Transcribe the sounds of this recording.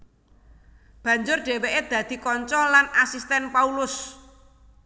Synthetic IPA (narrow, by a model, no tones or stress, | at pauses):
b̥ä̤ɲd͡ʒʊrɖ̥e̤weʔed̪̥ä̤d̪̥i̤kɔɲt͡ʃɔlanasist̪ɛnpaulʊs